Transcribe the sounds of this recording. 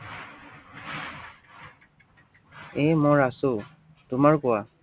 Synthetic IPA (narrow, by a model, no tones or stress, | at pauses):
emɔɹasʊ | tʊmaɹkʊwa